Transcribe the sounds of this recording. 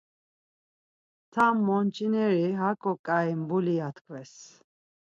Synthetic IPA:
t̪ʰamːɔnt͡ʃʰʼinɛɾiɦakʼɔkʼaimbuliat̪ʰkʰvɛs

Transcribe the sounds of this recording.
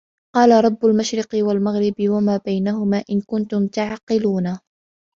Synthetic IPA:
qɑːlaɾˤɑbːʊlmaʃɾɪqɨwalmaɣɾɪbɪwamaːbajnaɦʊmaːʔɪnkʊnt̪ʊmt̪aʕaqːɪluːna

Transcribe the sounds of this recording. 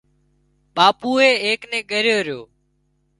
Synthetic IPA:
ɓaːpuːeːeːknẽːɠəɾɪjoːɾɪjoː

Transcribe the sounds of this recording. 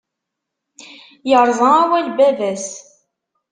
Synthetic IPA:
jəɾˤzˤəæwælbævæs

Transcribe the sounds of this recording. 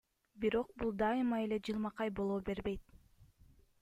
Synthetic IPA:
biɾo̞q̚bulˠd̪ɑɨmɑe̞le̞d͡ʒɯlˠmɑqɑjbo̞lˠoːbe̞ɾbe̞jt̪

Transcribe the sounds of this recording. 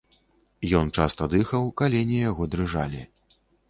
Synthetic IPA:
jɔnt͡ʂast̪ɐd̪ɨxɐwkalʲɛnʲijaɣɔd̪ɾɨʐa̰lʲi

